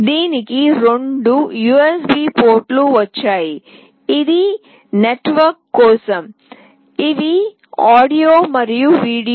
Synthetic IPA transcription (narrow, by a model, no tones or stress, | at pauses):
d̪iːnikiɾoɳɖujuːesbiːpoːɾʈluʋɐt͡ʃːaːjiː | d̪i | neʈʋɐɾkːɔːsɐm | iʋi | aːɖijoːmɐɾijuʋiːɽi